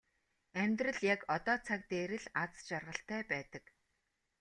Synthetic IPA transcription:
æmʲt̪rɘ̆ɮjakɔt̪ɔːt͡sʰak̚t̪eːɾɘ̆ɮat͡st͡ɕarʁə̆ɬt̪æːpæːt̪ə̆k

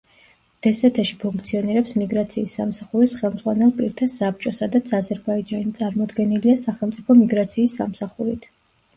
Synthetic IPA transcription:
d̪̥ɛsɛt̪ʰɛʃi̥pʰuŋk̚ʰt̪sʰiɔniɾɛpsmiɡɾat̪sʰiːsːa̰msaχuɾisχɛlˠmd̪zʁwanɛlˠpʼiɾt̪ʰasap̚t͡ʃʼɔsad̪at̪sʰazɛɾbaid͡ʒanit̪sʼaɾmɔd̪ɡɛniliasaχɛlˠmt̪sʼipʰɔmiɡɾat̪sʰiːsːamsaχuɾit̪ʰ

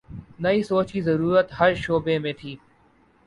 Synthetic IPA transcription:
nɐiːsoːt͡ʃiːzɐɾuːɾət̪həɾʃoːbemẽːt̪ʰiː

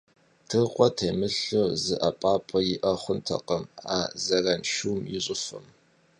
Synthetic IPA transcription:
tʰɨqʷʼɔtʰeːmɨɬozɨʔɐpʼaːpʼɐjɪʔɐχʷʊntʰɐ̰qɐma̰ːzɐrɐnʃuːmjɪɕʼɨfɨm

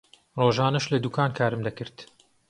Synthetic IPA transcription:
roːʒaːnɐʃlɐd̪ukʰaːnkʰaːɾɨmd̪ɐkɨɾt̪

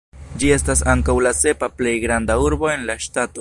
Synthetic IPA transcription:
d͡ʒie̞stasaŋkawlase̞paple̞jɡɾand̪auɾbo̞e̞nlaʃtat̪o

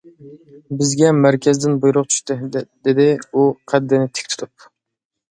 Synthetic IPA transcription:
bɪzɡʲɛmæɾkʲʰɛzd̪ɪnbujɾʊqt͡ʃʰy̥ʃt̪ɨd̪̥ed̪ɪuqʰæd̪ːɪnɪt̪ʰe̥kʲt̪ʰu̥t̪ʰup̚

